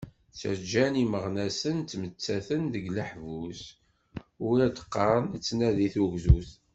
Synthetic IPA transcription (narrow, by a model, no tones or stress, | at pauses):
sə̰ɾd͡ʒæniməʁnæsənt̪ːmət͡sːæθənðəɡləħvus | ʊɾæd̪ə̥qːɑɾˤənt͡sːnæðiθuʝzuθ